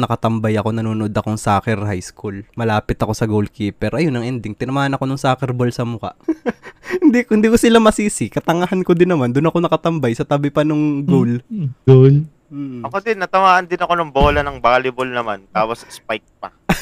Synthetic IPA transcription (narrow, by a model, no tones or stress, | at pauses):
nɐkɐt̪ɐmbajɐko̞nɐnuːnoʔod̪ɐkoŋsaːkɛɾhajskulmɐlaːpɪt̪ɐko̞sɐɡolkiːpɛɾʔɐjonɐŋʔɛnd̪ɪŋt̪ɪnɐmaːhɐnɐko̞nʊŋsaːkɛɾbolsɐmʊka̰ʔ | hɪnd̪iːkhɪnd̪iːkosɪlamɐsiːsɪkɐt̪ɐŋahanko̞d̪ɪnːɐmand̪ʊnɐko̞nɐkɐt̪ɐmbajsɐt̪abɪpɐnoŋɡowlol̩ | ɐkod̪ɪnːɐt̪ɐmaːʔɐnd̪ɪnɐko̞nɐŋboːlɐnɐŋbaːlɪbolnɐmant̪aːwɐsspajk̚pɐ